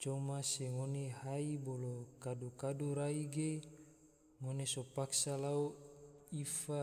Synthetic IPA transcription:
t͡ʃomaseŋonehaibolokadukaduɾaiɡe | ŋonesopaksalauifa

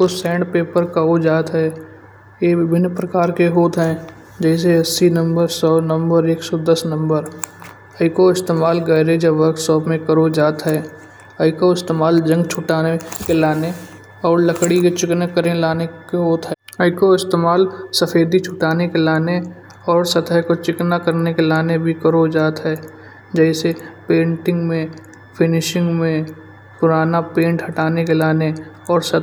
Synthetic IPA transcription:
kosɛ̃ːɳɖpeːpəɾkaod͡ʒaːt̪ɦɛː | jebɪbʱɪnːpɾəkaːɾkeɦoːt̪ɦɛ | d͡ʒɛːs̬eɐsːinə̃mbəɾsɔːnə̃mbəɾeːksɔːd̪əsnə̃mbəɾ | əɪkoɪst̪eːmaːlɡəɪɾed͡ʒəʋəɾksɔːpmẽkəɾod͡ʒaːt̪ɦɛː | əɪkoɪst̪eːmaːld͡ʒə̃ŋɡt͡ʃʰʊʈaːnekelaːne | ɔːɾləkɽiket͡ʃɪknakəɾẽlaːnekɦoːt̪ɦɛ | əɪkoɪst̪eːmaːlsəfʰeːd̪it͡ʃʰʊʈaːnekelaːne | ɔːɾsət̪əkot͡ʃɪknakəɾnekelaːnebʱikəɾod͡ʒaːt̪ɦɛː | d͡ʒɛːsepẽːɳʈɪ̃ŋɡmẽ | pʰɪnɪʃɪ̃ŋɡmẽ | pʊɾaːnapẽːɳʈhɐʈaːnekelaːne | ɔːɾsə

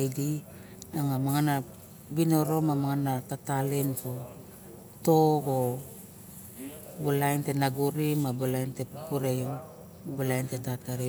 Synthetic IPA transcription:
jdi | aŋamaŋana | bino̞ɾo̞mamaŋanatatalenpo | toɡo | bulajnte̞naɡuɾimabulajnte̞pupuɾejm | bulajnte̞tataɾe

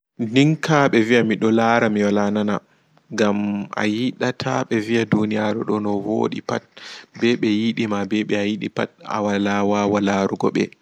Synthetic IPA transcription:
diŋkʰaɓɛvijamiɗɔlaɾamiwalanana | ɡamʔa̰jiɗatʰa̰ɓɛviadunijaɾɛɗɔnɔwo̰ɗḭpa̰t̚bɛɓɛjiɗimabɛɓɛajiɗḭpa̰ta̰walaːwawalaɾuɡɔɓɛ̰

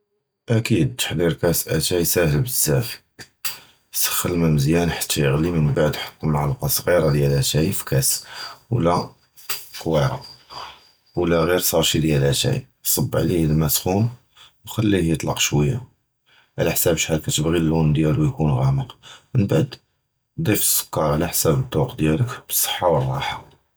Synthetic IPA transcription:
ʔækid̪̚t̪ə̥ħd̪iɾkæsʔæt̪æjsæhəlbəzæf | sə̥xːəlmæməzjænħḁt̪ʰːæjəɣlimənbaʕd̪ħə̥t̪ːmaʕlɑqɑsˤɣiɾad̪jælæʃæjfkæswlæ | qwiɾɑ̰ | wlæɣiɾsˤɑɾˤʃid̪jælæʃæ̰j | sˤɑbːʕliəd̪mæsxun | wxælːihjət̪ˤlɑ̰qʃwəjːa̰ | ʕ̰læħsæbʃħalkæt̪əbɣilːund̪jælujkunɣæməqmənbaʕd̪ | d̪ˤifsə̥kːɑɾˤʕlæħsæbəd̪ˤuqd̪jæləkb̥əsˤːə̥ħːɑwərˤːɑ̰ħɑ

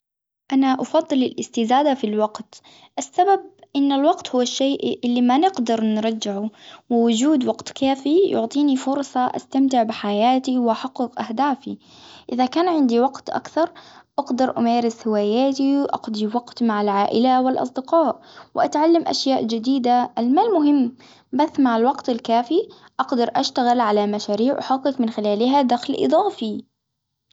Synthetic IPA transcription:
ʔanaʔɑfɑðˤːɨlɪlʔɪst̪ɪzaːd̪afilwɑqt̪ | ʔasːabab̚ʔɪnːalwɑqt̪hʊwːaʃːeːʔʔɪlːimanɪɡd̪ɑɾˤnɾˤɑd͡ʒːɪʕuwɪwʊd͡ʒuːd̪wɑqt̪kʰaːfijʊ̰ʕt̪ˤiːnifʊɾˤsˤɑʔa̰st̪amt̪ɪʕbɪħajaːt̪iwʔaħɑqːɨqʔahd̪aːfḭ | ʔɪðakaːnʕɪnd̪iwɑqt̪ʔa̰kθɑɾˤʔɑɡd̪ɑɾˤʔameːɾɪshɪwaːjaːt̪iwʔɑ̰qd̪ˤiwɑqt̪maʕalʕaːʔɪlawɪlʔɑ̰sˤd̪ɪqɑːʔwɪʔat̪ʕalːamʔa̰ʃjaːʔd͡ʒɪd̪iːd̪aʔalmaːlmʊɦɪmː | baθːmaʕalwɑqt̪ɪlkaːfi | ʔɑɡd̪ɑɾˤʔaʃt̪aɣɪlʕalamaʃaːɾiːʕʔʊ̰ħɑqːɨkmɪnxɪlaːlɪɦad̪axlʔɨ̰d̪ˤɑːfi

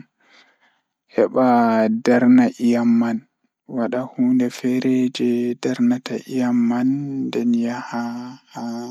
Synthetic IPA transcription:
hɛɓadaɾnaʔijamːan | waɗahuːndɛfɛɾɛd͡ʒɛdaɾnata̰ʔijamːandɛnjahaha

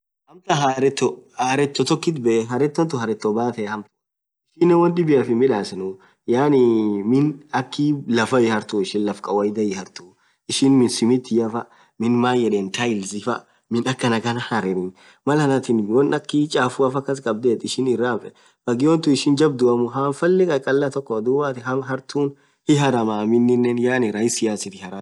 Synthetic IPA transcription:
hɐmt̪ɐɦaɾɛt̪ːɔhaːɾɛt̪ːɔt̪ɔkːɪt̪̬bɛʔɛɦɐɾɛt̪ːɔnt̪ʊhɐɾɛt̪ːɔbaːt̪ɛːhɐmt̪ʊ̥ | ɪʃɪnːɛwɔnᶑɪbɪjɐfɪmɪᶑaːsɪnʊ | jaːnɪmɪnɐkːɪlɐfɐjɪhɐɾt̪ʊɪʃɪnlɐfkʼɐwɐjd̪ɐjɪhɐɾt̪uː | ɪʃɪnmɪnsɪmɪt̪ːɪjɐfɐ | mɪnmaːjɛᶑeːnt̪ʰɐɪlzɪfɐ | mɪnɐkːɐnɐɡɐnɐhɐɾɪɾɪn | mɐlhɐnɐt̪ɪnwɐnɐkːɪt͡ʃʼaːfʊafɐkːɐs̬kʼɐbd̪eːt̪ːɪʃɪnɪrːaːfɛ | bɐɡɪwɔnt̪ʊɪʃɪnd͡ʒɐb̚d̪ʊɐmʊɦanfɐlːɪkʼɐkʼɐlːɐt̪ɔkːɔd̪ʊwaːt̪ɪɦɐɦɐɾt̪uːn | hɪɦɐɾɐmaːmɪnːɪnːɛnjaːnɪɾɐjɪsɪjaːsɪt̪ɪhɐɾa

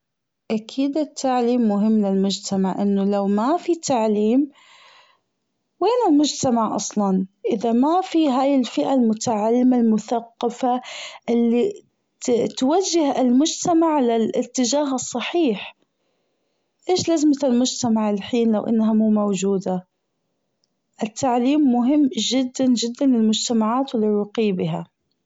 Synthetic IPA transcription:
ʔakʰiːd̪ɪt̪ʰːaʕliːmːʊɦɪmːlɪlmʊd͡ʒt̪ʰamaʕʔɪnːʊlawmafit̪ʰaʕliːm | weːnɪlmʊd͡ʒt̪amaʕʔɑsˤlɑnʔɪðamafiɦaːjɪlfɪʔalmʊt̪aʕalːɪmalmʊθaqːɑfaʔɪlːi | t̪wad͡ʒːɪhɪlmʊd͡ʒt̪amaʕlɪlɪt̪ːɪd͡ʒaːɦɨsˤːɑħiːħ | ʔeːʃlazmaɪlmʊd͡ʒt̪amaʕɪlħiːnlawʔɪ̰nːɦamuːmowd͡ʒuːd̪a | ʔɪt̪ʰːaʕliːmːʊɦɪmːd͡ʒɪd̪ːand͡ʒɪd̪ːanɪlmʊd͡ʒt̪amaʕaːt̪wɪlːɪrːʊqiːbɪɦa̰

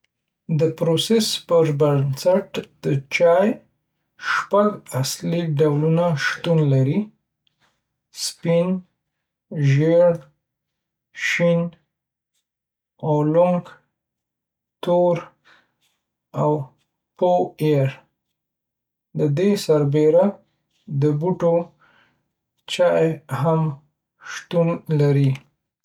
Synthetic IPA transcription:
d̪əpɾosespəɾbansaʈd̪ət͡ʃɑj | ʃpaɡasliɖawlunaʃt̪unlaɾi | spin | ʒeɽ | ʃin | olʊŋɡ | t̪oɾ | aw | poeɾ | d̪əd̪esaɾbeɾa | d̪əbuʈo | t͡ʃaeɦam | ʃt̪unlaɾi

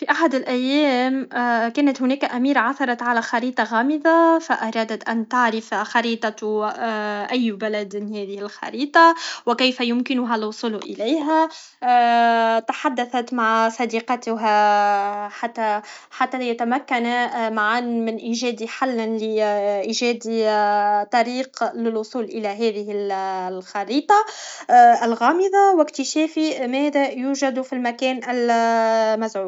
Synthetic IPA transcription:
fiʔaħad̪ɪlʔæjːæːmkæːnat̪hʊnæːkaʔæmiːɾaʕaθɑɾˤɑt̪ʕalæxɑɾiːt̪ˤɑɣɑːmɪðafaʔɑɾˤɑːd̪at̪ʔænt̪aʕɾɪfxɑɾiːt̪ˤɑ | ʔajːbalad̪hæːðɪhɪlxɑ̰ɾiːt̪ˤɑwɪkajfajʊmkɪnʊɦælwʊsˤʊlʔɪlajɦæ | t̪aħad̪ːaθat̪maʕsˤɑd̪iqɑt̪ɦa | ħat̪ːæ | ħat̪ːæjæt̪æmækːanmaʕanmɪnʔiːʒɛːd̪iħalːnlɪʔiːʒɛːd̪it̪ˤɑɾiːqlɪlwʊsˤuːlʔɪlæɦæːðɪɦɪllxɑɾiːt̪ˤɑ | ʔɪlɣɑːmɪðˤɑwɪkt̪ɪʃɛːfimɛːðæjuːʒæd̪filmækɛːnɪl | mæzʕuː

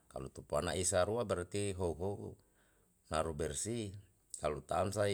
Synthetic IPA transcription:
ka̰lut̪upuanaisaɾuabɛɾt̪iɦouɦou | naɾubɛrsi | kalut̪amsai

